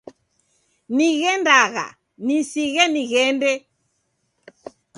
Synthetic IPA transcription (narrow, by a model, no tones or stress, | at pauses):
niɣɛndaɣa̰ | nisiɣɛniɣɛndɛ